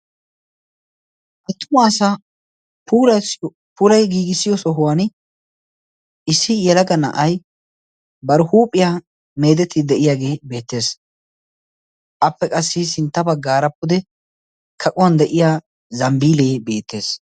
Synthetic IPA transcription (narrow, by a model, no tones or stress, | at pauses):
ʔɐt̪ːʊmaːsa | puːlɐ | pʊlɐjɡiːɡɪsːɪjɔsɔɦʊwan | ɪsːɪjɛlɐɡɐnɐ̰ʔɐj | bɐɾhuːpʼːɪja | me̞ːd̪ɛt̪ʰːɪd̪ɛʔɪjaːɡe̞ːbe̞ːt̪ːe̞ːs | ʔɐpːɛkʼɐsːɪsɪnt̪ːɐbɐɡːaːɾɐpːʊd̪ɛ | kʰɐkʼʊwɐnd̪ɛʔɪjaː | zɐmbiːleːbe̞ːt̪ːe̞ːs